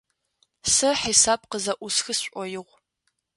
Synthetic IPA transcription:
sɐħiːsaːb̚qəzɐʔʷʊsxɨsɕʷʼɔjɪʁʷ

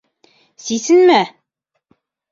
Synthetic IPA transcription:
sisɘnmæ

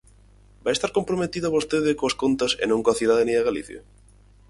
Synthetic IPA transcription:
bajest̪aɾkompɾomet̪iðoaβost̪eðɪkoɐskont̪ɐsḛnõŋkoɐθiðaðenẽɐɣalḭθjɐ̰

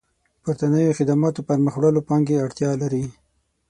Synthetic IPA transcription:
pʊɾt̪anəjoxɪd̪amɑt̪opaɾməxwɽəlopɑŋɡeaɽt̪jɑlaɾi

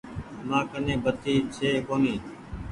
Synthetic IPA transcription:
mãːkənẽːbət̪ʰiːt͡ʃʰeːkoːniː

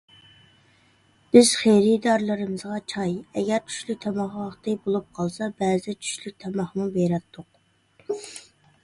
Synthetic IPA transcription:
b̥ɪz̥χejɾɪd̪ɑɾlˠɨɾɨmɨzʁɑt͡ʃʰɑjɛɡʲɛɾt͡ʃʰy̥ʃlyk̚ʲt̪ʰɛmɑχɑχt̪ɨbolˠup̚qʰɑlˠsɑbæːzɪt͡ʃʰy̥ʃlyk̚ʲt̪ʰɛmɑχmubeɾɛt̪ʰːʊq̚

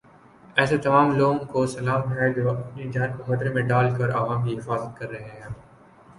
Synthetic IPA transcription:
ɛːset̪ɐmaːmloːɡõkosɐlaːmɦɛd͡ʒ̪oʔɐpnid͡ʒãːnkobɐd̪ɾemẽɖaːlkɐɾɐʋaːmkiɦɪfaːzət̪̚kɐɾːɐɦeɦɛ

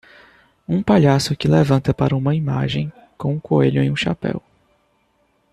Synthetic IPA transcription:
ũpaʎasʊkɪlevɐ̃nt̪ɐpaɾɐũmɐima̰ʒẽj̃ | kõũkoeʎʊẽũʃa̰pɛ̰w

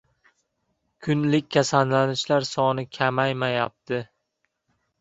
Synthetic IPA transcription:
kʰʊnlɪkʲkʰːasanlanɪʃlaɾsɒnɪkʲʰamajmaja̰p̚t̪ʰɪ

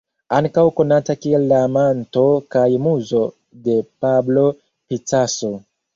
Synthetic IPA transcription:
aŋkawko̞natakielːamanto̞kajmuzo̞ | de̞pablo̞ | pit͡saso̞

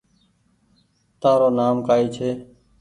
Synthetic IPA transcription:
t̪aːɾoːnaːmkaːiːt͡ʃʰeː

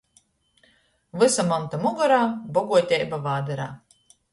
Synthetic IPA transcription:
vɨsamɔnt̪amuɡɔɾaːbɔɡuɔt̪ʲɛjbavaːd̪ɛɾaː

